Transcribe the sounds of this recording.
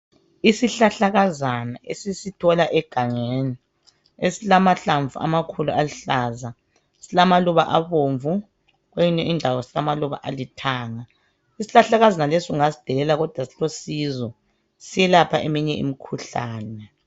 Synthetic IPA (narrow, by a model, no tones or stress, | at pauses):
isiɬaɬaɣazanaesisitʰɔlaʔɛɡ̥ʱaŋeːni | esilamaɬaɱvʱṵʔa̰makʰuluʔaliɬaːza | silamaluβaʔaβoːɱvu | ɣweinɛʔindʱawɔsilamaluβa̰ʔalitʰaːŋa | isiɬaɬaɣazanalesiuŋasi̥d̥ʱɛlɛlaɣɔd̥ʱwasi̥losizɔ | sijɛlapʰaʔemiɲɛḭmikʰuɬa̰ːnɛ